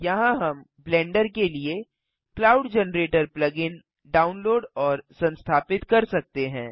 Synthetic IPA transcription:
jɐɦãɦɐm | blɛ̃ːɳɖəɾkelie | klaːʊɖd͡ʒɛnɾeːʈəɾplɐɡɪn | ɖaːʊnloːɖɔːɾsɐ̃nst̪ʰaːpɪt̪kɐɾsɐk̚t̪eɦɛ̃ː

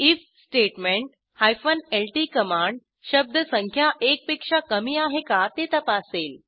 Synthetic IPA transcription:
ifsʈeʈmẽɳʈ̚ | hajfənelʈiːkəmãɳɖ | ɕəb̚d̪ʱəsəŋkʰjaʔek̚pikʂakəmiːaɦekat̪et̪əpaseːl

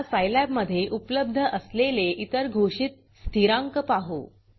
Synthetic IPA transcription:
sajlɛbməd̪ʱːjeʔupləb̚d̪ʱəʔəsleleʔit̪əɾɡʱoʂit̪̚ | st̪iɾãŋkəpaɦṵ

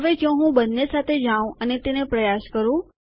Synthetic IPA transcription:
əʋekjɔ̃ɦũbənːesat̪ʰed͡ʒãũənet̪enepɾəjaskəɾũ

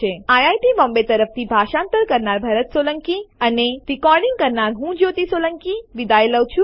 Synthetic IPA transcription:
eajajʈibɔ̃mbet̪əɾəft̪ʰibʱaʃãːnt̪əɾkəɾnaɾbʱaɾət̪soləŋkiəneɾikɔɾɖiŋɡ̚kəɾnaɾɦũːd͡ʒot̪isoləŋkiʋid̪ajeləʋt͡ʃʰu

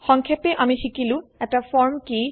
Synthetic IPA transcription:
xɔŋkʰɛpɛʔamixikilʊ̃ɛtafɔɹmki

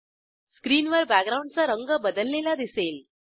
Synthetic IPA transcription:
skɾiːnʋəɾbæɡɾaũɳɖ̚t͡saɾəŋɡəbəd̪əlːelad̪iseːl

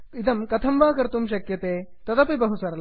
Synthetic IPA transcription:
id̪ɐmkɐt̪ʰɐmʋaːkɐɾt̪umʃɐkjɐt̪eːt̪ɐd̪ɐpibɐɦusɐɾɐl

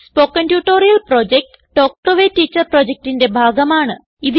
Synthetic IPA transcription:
spoːkːɐntjuːʈːoːɾijɐlproːd͡ʑek̚ʈ | ʈːoːk̚ʈoʋeːtːiːt͡ɕːɐrproːd͡ʑek̚ʈinde̞bʱaːɡɐmaːɳɨ | iði

